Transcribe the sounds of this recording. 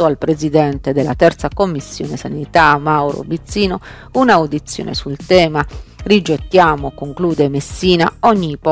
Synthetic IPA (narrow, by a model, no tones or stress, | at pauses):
oalpɾezid̪ɛnt̪ed̪elːat̪ɛrt̪sakomːisːjoːnesanit̪amawɾo̰bit̪sːiːno | unawd̪it̪sːjo̰ːnḛsult̪ɛːmarid͡ʒet̪ːjaːmokoŋkluːd̪emesːiːna̰ɔɲːipɔ